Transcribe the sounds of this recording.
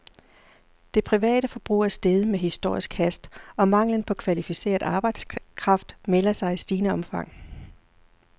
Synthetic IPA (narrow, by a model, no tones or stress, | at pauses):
d̥e̝pʰʁiʋɛ̰ːɾ̥əfɒ̽b̥ʁṵːæɐsd̥eð̞ˠmeɦisd̥o̝ɐ̰isɡ̥hæsd̥ɒ̽mɑ̈ŋ̰lən̩pʰɒ̽kʰʋælifise̝̰ːɐðˠɑ̈ːb̥ɑ̈ɪd̥skʰʁɑ̈fd̥melɐsɑ̈ɪisd̥iːnəɒ̽mfɑ̈ŋ̰